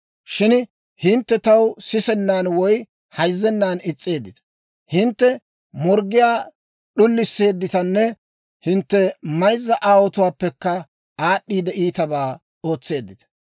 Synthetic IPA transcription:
ʃɪn | hɪnt̪ːɛt̪ɐwsɪsɛnːaːnwɔj | hɐjzːɛnːaːnɪt͡sʼːe̞ːd̪ːɪt̪ɐ̥ | hɪnt̪ːɛ | mɔɾɡɪjaː | ɗʊlːɪsːe̞ːd̪ːɪt̪ɐnːɛ | hɪnt̪ːɛmɐjzːɐʔaːwɔt̪ʊwaːpːɛkːɐ | aːɗːiːd̪ɛʔiːt̪ɐbaː | o̞ːt͡sːe̞ːd̪ːɪt̪ɐ̥

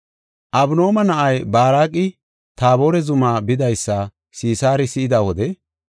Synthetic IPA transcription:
ʔɐbno̞ːmɐnɐʔɐjbaːɾaːkʼːɪ | t̪aːbo̞ːɾɛzʊmaːbɪd̪ɐjsːa | siːsaːɾɪsɪʔɪd̪ɐwɔd̪ɛ

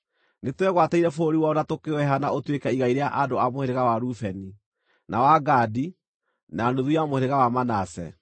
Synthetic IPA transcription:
netwɛɣwataiɾɛfoɾiwaɔnatokewɛɦanaʔotwekɛiɣaiɾeaʔadoamoheɾeɣawaɾufɛni | nawaɡaːdi | nanoðujamoheɾeɣawamanasɛ̰

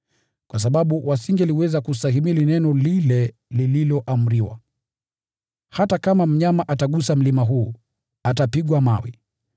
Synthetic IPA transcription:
kwʔas̬aɓaɓuwasiŋɡɛliwɛzakusaɦimilinɛnɔlilɛ | lililɔʔam̩ɾiwa̰ | hatakamam̩ɲamaʔataɠusam̩limaɦuː | atapiɠwamawḭ

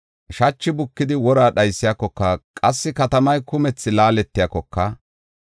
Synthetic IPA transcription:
ʃɐt͡ʃːɪbʊkːɪd̪ɪwɔɾaːɗɐjsːɪjaːkːɔkːɐkʼɐsːɪkɐt̪ɐmɐjkʊmɛt͡sːɪlaːlɛt̪ːɪjaːkːɔkːɐ

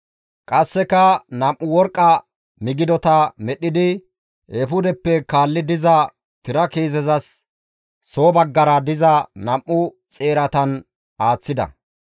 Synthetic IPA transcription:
kʼɐsːɛkɐnɐmʔːʊwɔɾkʼːɐ | mɪɡɪd̪ɔt̪ɐmɛɗɪd̪ɪ | ʔɛfʊd̪ɛpːɛkaːlːɪd̪ɪzɐ | t̪ɪɾɐkeːzɛzɐsː | o̞ːbɐɡːɐɾɐd̪ɪzɐnɐmʔʊ | t͡sʼe̞ːɾɐt̪ɐn | ʔaːt͡sːɪd̪ɐ̰

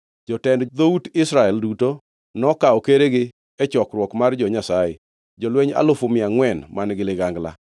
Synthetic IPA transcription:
d͡ʒɔtɛndd̪outɪsɾaɛlduto | nɔkaɔkeɾeɡɪ | ɛt͡ʃɔkɾwɔkmard͡ʒɔɲasajḛ | d͡ʒɔlweɲa̰lofomɪaŋwɛnmanɡɪlɪɡaŋɡla̰

